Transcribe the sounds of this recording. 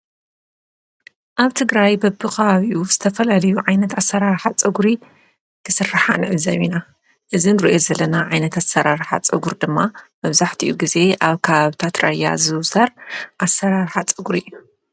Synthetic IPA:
ʔaβt̪ʰɨɡɾajbɐbɨkɐβaβiʔuz̥ɨt̪ʰɐfɐlalɐjuʕajnɐt̪asɐɾaɾħat͡sʼɨɡuɾi | kʰɨsɨrːaħanɨʕɨzɐβina | ʔɨzinɾiʔozɐlɐnaʕajnɐt̪ʰasɐɾaɾħa̰t͡sʼɨɡuɾd̪ɨmːamɐβzaħt̪ʰiʔuɡize̞ʔaβkʰɐβaβt̪ʰat̪ɾɐja̰zɨwsɐɾʔasɐɾaɾħat͡sʼɨɡuɾijːu

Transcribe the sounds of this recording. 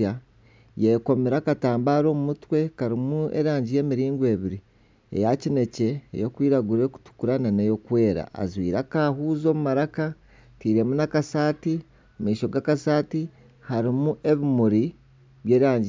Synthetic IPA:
a | jeko̞miɾakataːmbaːɾo̞ːmumutwe̞kaɾimuḛɾaːɲɟije̞ːmiɾiːŋɡwe̞ːβiɾi | e̞̰jacine̞ce̞̰ːjo̞kwiːɾaɡuɾe̞ku̥tu̥kuɾananejo̞kwe̞ːɾa̰ʔa̰zwiːɾakahuːzo̞ːmumaɾaka | tiːɾe̞munakasaːti | miːʃo̞ɡakasaːti | haɾimuʔe̞βimuɾi | βje̞ːɾaːɲɟi

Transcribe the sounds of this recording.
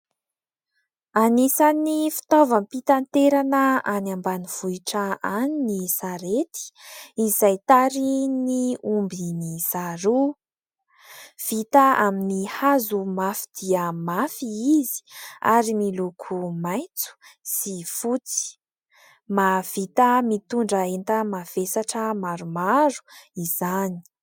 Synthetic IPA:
anisanifi̥t̪ovampit̪ant̪eɾanəanambaniv̥uiʈ͡ʂaaninisaɾet̪i̥izajt̪aɾiniumbiniz̥aɾu | v̥it̪aaminihazumafid̪̥iəmafiizi̥a̰ɾimilukʰumaj̃nt͡su̥sifut͡si̥ | mav̥it̪əmit̪uɳɖ͡ʐəent̪amav̥esaʈ͡ʂəmaɾumaɾu̥izani̥i̥

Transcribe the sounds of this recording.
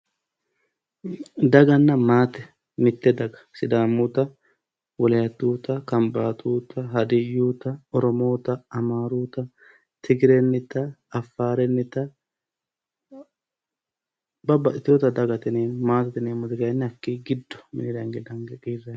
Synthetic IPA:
d̪ɐɡɐnːɐmaːt̪ɛ̥ | mɪt̪ːɛd̪ɐɡɐ̥sɪd̪aːmːʊt̪ɐ | wɔlɛjɐt̪ːuːt̪ɐkɐmbaːt̪ʰʼuːt̪ɐɦɐd̪ɪjːuːt̪ɐɔɾɔmo̞ːt̪ɐɐmaːɾuːt̪ɐ | t̪ʰɪɡɪɾenːɪt̪ɐːfːaːɾɛnːɪt̪ɐ | bɐbːɐʔɪt̪joːt̪ɐd̪ɐɡɐt̪ɪneːnmaːt̪ɪt̪ɪneːmʊt̪ɪkɐjɐnːɪɐkːiɡɪd̪ːɔ̥mɪnɪɾɐŋɡɛd̪ɐŋɡkiːrːɛ

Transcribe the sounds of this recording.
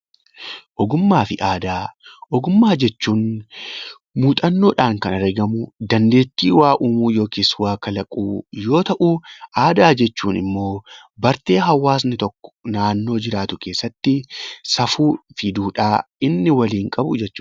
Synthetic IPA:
ʔɔɡʊmːaːfɪʔaːd̪aːʔɔɡʊmːaːd͡ʒɛt͡ʃːuːn | muːt̪ʼɐnːoːᶑaːŋkɐnɐɾɡɐmʊd̪ɐnd̪e̞ːt͡ʃ̪ːiːwaːʔuːmuːjo̞ːkeːswaːkɐlɐkʼuːjo̞ːt̪ɐʔuːʔaːd̪aːd͡ʒɛt͡ʃːuːnɪ̰mːo̞ːbɐɾt̪e̞ːɦɐwːaːs̬nɪt̪ɔkːɔ̥naːnːo̞ːd͡ʒɪɾaːt̪ʊke̞ːsːɐt̪ːɪsɐfuːfɪd̪uːᶑaːɪnːɪwɐliːŋkʼɐbʊ̰d͡ʒɛt͡ʃːu̥ː

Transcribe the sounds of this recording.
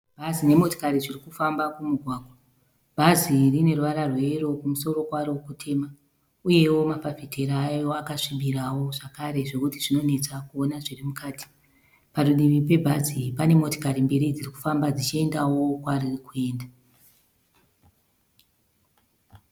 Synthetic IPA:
b̥ʱazine̞mo̞to̥kaɾiʐirikufambakumuɡʱwaːɡʱwa | bʱazirine̞ruʋaɾarwe̞ro̞kumuso̞ro̞kwarowkutʰe̞ːma | uje̞wo̞mafafitʰeɾajo̞akaʂimbiɾawo̞ʐakaɾe̞ʐe̞kutiʐino̞ne̞t͡sakuo̞naʐirimukaːti̥ | paɗuɗiʋipe̞bʱazipane̞mo̞to̥kaɾimbiɾid͡ziriku̥fambad͡zit͡ʃie̞ndawo̞kwaririkue̞ːnda

